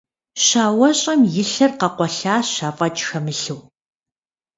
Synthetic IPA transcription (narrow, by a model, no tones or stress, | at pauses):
ɕaːwɐɕʼɐmjɪɬɐrqɐqʷɔɬaːɕaːfʼɐt͡ʃʼxɐmɨɬɨw